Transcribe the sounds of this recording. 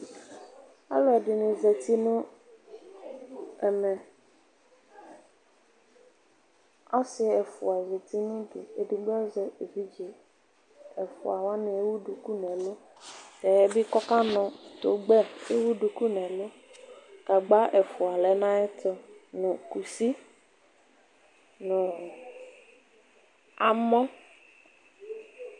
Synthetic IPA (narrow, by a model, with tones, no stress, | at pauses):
a̰˦lɔ˨˦ɛ˨dɪ˨nʊ̃˨zɛ˨t̪i˦nʊ̃˦ | ɛ˨mɛ̃˨ | ɔ˦sɪ˦ɛ˨fʊ̰˨a˨ze˨t̪i˦nʊ̃˦dɪ˨e˨dɪ˨ɡ͡bɛ˦zɛ˨e˨vi˦d͡ʒe˨ | ɛ˨fʊ̰˨a˨wa˦nɪ̃˨e˦wu˦du˨ku˦nɛ̃˨lʊ˦ | tɛ˨jɛ˦bi˦kɔ˦ka˦nɔ̃˨t̪o˨ɡ͡bɛ˦e˦wu˦ɖu˨ku˦nɛ̃˨lo˦ | ka˨ɡ͡ba˦ʔɛ˨fu˨a˨lɛ˨˦nã˦ɛ˦t̪ʊ˦nʊ̃˨ku˨si˦ | nʊ̃˨ | a˨mɔ̃˦